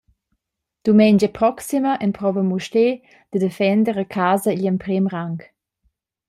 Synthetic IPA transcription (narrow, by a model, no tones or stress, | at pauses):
d̪̥umɛɲd͡ʒəpɾɔksimɐʔɛnpʁɔvəmuʃte | d̪̥əd̪efɛnd̪əʁəkʰaːzəilɛmpɾemʁaŋk